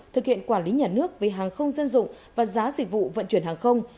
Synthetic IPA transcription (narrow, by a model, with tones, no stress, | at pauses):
t̪ʰɨ˨˩k̚hḭ˧˨ənkwaː˧˩nli˨˦ɲaː˨˩nɨ˦˥ək̚ve˨˩ɦaː˨˩ŋxə˧wŋ͡mzə˧nzʊ̰˧˨ŋ͡m | vaː˨˩zaː˨˦zï˨˩k̟̚vṵ˧˨və̰˧˨nt͡ɕwi˧˩ənɦaː˨˩ŋxə˧wŋ͡m